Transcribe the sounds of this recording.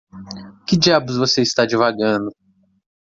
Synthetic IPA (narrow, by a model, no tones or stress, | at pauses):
kɪd͡ʒiabʊzvoseist̪ad͡ʒivaɡɐ̃nd̪ʊ